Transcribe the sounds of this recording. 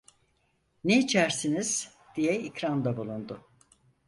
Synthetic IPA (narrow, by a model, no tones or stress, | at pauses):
neit͡ʃʰæɾsiniz̥ | d̪̥ijɛicɾand̪abulˠund̪ʊ